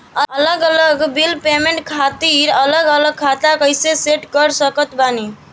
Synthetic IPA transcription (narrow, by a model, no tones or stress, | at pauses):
əələɡələɡbilpemeɳʈkʰat̪iɾələɡələɡ̚kʰat̪akəjseseʈkəɾsəkət̪bani